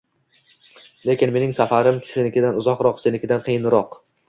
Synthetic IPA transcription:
le̞kʲɪnme̞nɪŋsafaɾɪmkʲʰsenɪkʲɪd̪anʊzɒqɾɒqsenɪkʲʰɪd̪anqʰɨjɪnɾɒq

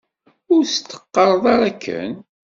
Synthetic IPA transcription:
ʊɾst̪ːə̥qːɑɾˤðˤɑɾˤækʰːə̰n

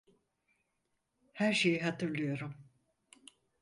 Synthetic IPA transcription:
hæɾʃe̞jiɦat̪ʰɯɾlˠɯjo̞ɾum

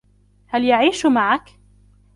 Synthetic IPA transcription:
haljaʕiːʃmaʕak

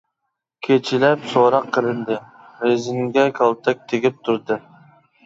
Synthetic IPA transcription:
kʲʰet͡ʃʰɪlæpsoɾɑqʰːɨlɪnd̪ɪ | ɾezɪŋɡʲɛkʰɑlˠt̪ʰak̚ʲt̪ʰeɡʲɪp̚t̪ʰʊɾd̪ɪ

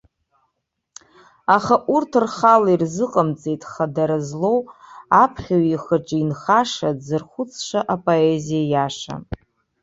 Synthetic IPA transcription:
aχaʔurtʰrχalairzɨqʼəmt͡sʼejtʼχadaɾazlo̞wapʰχʲawiχəʈ͡ʂʼinχaʂazɨrχʷʊt͡sʰʂaʔapʼo̞ezijajaʂa̰

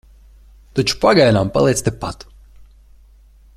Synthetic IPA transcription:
t̪at͡ʃu̥paɡajnampa̰lˠej̪st̪ʲepat̪

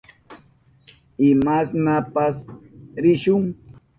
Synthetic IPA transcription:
ɪmasnapasɾɪʃʊŋ

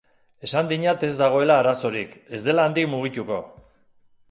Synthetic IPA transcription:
e̞sand̪iɲat̪e̞zd̪aɣ̞o̞e̞laːɾaso̞ɾike̞zd̪e̞laːnd̪ikmuɣ̞it̪uko̞

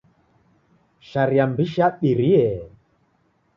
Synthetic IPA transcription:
ʃaɾiambiʃaɓiɾiɛ

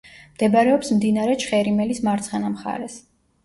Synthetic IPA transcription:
md̪̥ɛbaɾɛɔpsmd̪inaɾɛt͡ʃʰχɛɾimɛlismaɾt̪sʰχɛnamχa̰ɾɛs

